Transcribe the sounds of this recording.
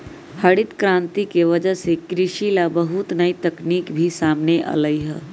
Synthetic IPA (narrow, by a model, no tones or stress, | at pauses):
hɐɽɪt̪kɾãːnt̪ikeʋɐd͡ʒəsekɾɪʃilabɐɦʊt̪nɐit̪ɐkniːkbʱisaːmneʔə̰ləiɦɛ̰ː